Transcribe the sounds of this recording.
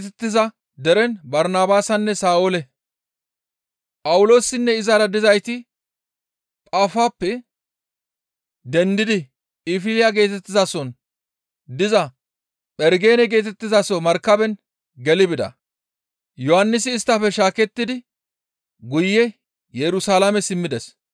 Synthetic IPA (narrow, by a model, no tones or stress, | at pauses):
t̪ɛt̪ːɪzɐ | d̪ɛɾɛnbɐɾnaːbaːsɐnːɛsaːolɛ | pʼɐwʊlo̞ːsɪnːɛɪzaɾɐd̪ɪzɐjt̪ɪ | pʼaːfaːpːɛ | d̪ɛnd̪ɪd̪ɪ | ɪfɪlɪjaɡe̞ːt̪ɛt̪ːɪzɐsɔn | d̪ɪzɐ | pʼɛɾɡe̞ːnɛɡe̞ːt̪ɛt̪ːɪzasɔmɐɾkːɐbɛn | ɡɛlɪbɪd̪ɐ̰ | jɔhɐnːɪsɪːst̪ːɐfɛʃaːkɛt̪ːɪd̪ɪ | ɡʊjːɛ | jɛɾʊsaːlamɛsɪmːɪd̪ɛs